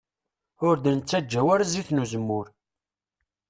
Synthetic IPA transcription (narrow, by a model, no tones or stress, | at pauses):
ʊɾd̪ənət͡sːæd͡ʒːæwæɾziθnuzəmːʊɾ